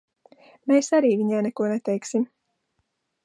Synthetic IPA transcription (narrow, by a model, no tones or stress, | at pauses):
meːsaɾiːviɲaːnɛkuɔnɛt̪ɛjksim